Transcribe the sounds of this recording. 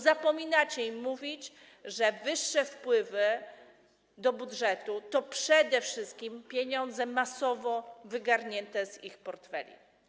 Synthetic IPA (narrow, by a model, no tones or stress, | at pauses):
zapɔmʲinat͡ɕɛimːuvʲit͡ɕ | ʐɛvɘʂːɛfpwɘvɘ | d̪ɔbudʐɛt̪ut̪ɔpʂɛd̪ɛfʂɘst̪̚kʲimpʲjeɲɔnd̪zɛmasɔvɔvɘɡaɾɲɛnt̪ɛzḭxpɔɾt̪fɛ̰lʲḭ